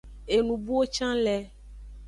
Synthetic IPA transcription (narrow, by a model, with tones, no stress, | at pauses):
e˨nũ˨bu˦wo˦t͡ʃã˦lɛ˨